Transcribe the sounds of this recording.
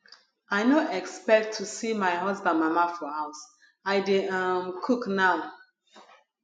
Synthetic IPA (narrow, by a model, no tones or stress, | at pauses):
aɪnoɛkspɛk̚tʰːusimaɪɦɔzbãnmamafɹɔ̃haʊs | aɪdeamkʰuknaʊ